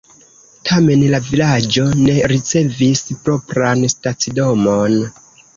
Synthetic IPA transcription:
tʰame̞nlavilad͡ʒo̞ne̞ɾit͡se̞vispɾo̞pɾanstat͡sido̞mo̞n

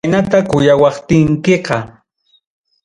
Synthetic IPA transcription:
nat̪akʊjawɑχt̪ɪŋkeqɑ

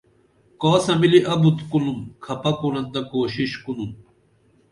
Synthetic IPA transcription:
kɔːsɐmiliʔɐbut̪kulumkʰɐpɐkunɐnd̪ɐkoːɕiɕkunum

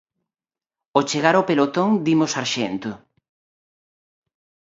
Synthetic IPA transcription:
ot͡ʃeɣaɾopelot̪oŋd̪imʊsaɾʃent̪ʊ

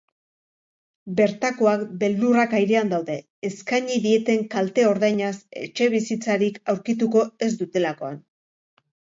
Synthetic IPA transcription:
be̞ɾt̪ako̞akbe̞ld̪urakajɾeand̪awðe̞ːskaɲiðie̞t̪e̞ŋkalt̪e̞o̞ɾðajɲase̞̰t͡ʃe̞β̞isit͡saɾikawɾkit̪uko̞e̞zd̪ut̪e̞lako̞a̰n

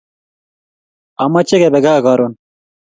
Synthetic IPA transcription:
ɐmɐt͡ɕeɡebeɡaːɡɑːɾon

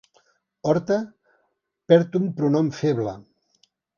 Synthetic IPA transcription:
ɔɾt̪ə | pɛɾt̪umpɾunɔmfeβlə̰

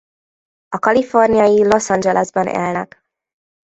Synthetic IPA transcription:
ɒkɒlifo̞rnijɒjilo̞sɒnd͡ʒɛlɛzbɒnʔɛ̰lnɛ̰k

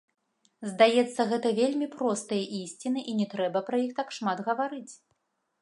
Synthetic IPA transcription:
zd̪ajɛt̪sːɐɣɛt̪ɐvʲelʲmʲipɾɔst̪ɐjɐʔisʲt͡sʲinɨʔinʲɛt̪ɾɛbɐpɾɐjixt̪akʂmad̪ɣɐvaɾɨt͡sʲ

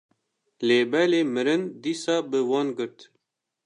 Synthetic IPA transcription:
leːbɛleːmɨɾɨnd̪iːsɑːbɨwɑːnɡɨɾt̪

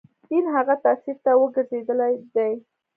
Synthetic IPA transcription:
t̪inɦaɣat̪asiɾt̪awəɡəɾzed̪əlajd̪aj

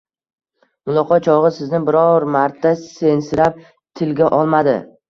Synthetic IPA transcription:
mʊlˠɒqʰɒt̪̚t͡ʃʰɒʁɨsɪznɪbɪɾɒɾmaɾt̪ʰase̞nsɪɾap̚ | t̪ʰɪlɡʲaʔɒlˠmad̪ɪ̰

